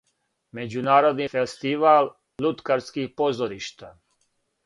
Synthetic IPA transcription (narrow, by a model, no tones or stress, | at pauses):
me̞d͡ʑunaːɾo̞d̪nifest̪iʋal | lut̪kaɾskixpozoɾiʃt̪a